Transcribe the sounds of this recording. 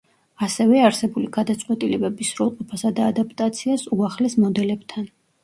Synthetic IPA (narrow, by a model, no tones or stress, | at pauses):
asɛvɛaɾsɛbuliɡad̪at̪sʼqʼwɛt̪ʼilɛbɛbisɾɔlˠqʼɔpʰasad̪aːd̪apʰt̪ʼat̪sʰiasuaχlɛsmɔd̪ɛlɛbt̪ʰan